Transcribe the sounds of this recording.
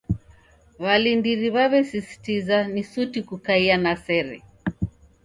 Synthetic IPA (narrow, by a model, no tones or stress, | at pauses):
βalindiɾiβaβɛsisi̥tizanisutikukaianasɛɾɛ̰